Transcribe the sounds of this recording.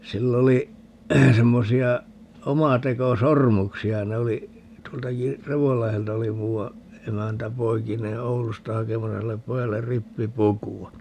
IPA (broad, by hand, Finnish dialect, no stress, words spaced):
silː oli semːosiɑ omɑtekosormuksiɑ ne oli tuoltɑki reʋolːɑheltɑ oli muːwɑ emæntæ poikineː oulustɑ hɑkemɑsɑ silːep pojɑlːer ripːipukuwɑ